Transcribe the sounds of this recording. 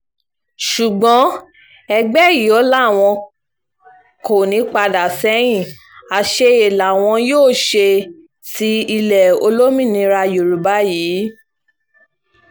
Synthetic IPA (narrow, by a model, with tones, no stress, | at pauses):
ʃu˨ɡ͡bɔ̃˨˦ | ɛ˧ɡ͡bɛ˦˨ji˨˦o˦la˦˨w̃ɔ̃˧ | ko˨nĩ˨˧˦k͡pa˧da˨sɛ˦j̃ĩ˦˨ | a˨ʃe˧e˨la˨w̃ɔ̃˧joː˦˨ʃe˧ | si˧˦i˧lɛ˨o̰˧lo˦mĩ˦˨nĩ˧ɾa˧jo˨ɾu˨ba˨˦jiː˨˦